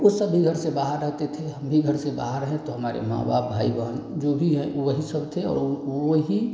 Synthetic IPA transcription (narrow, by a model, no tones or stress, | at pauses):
osəbiɡʱəɾsebaːɦəɾːəɦt̪et̪ʰeɦəmbʱiɡʱəɾseba̰ɦəɾəɦɛ̃t̪oɦəmaːɾḛmã̰ːba̰ːbʱːaːibəɦənd͡ʒobʱiɦɛ̃ʔoʋəɦisəbt̪ʰeɔ̰ːɾoɦi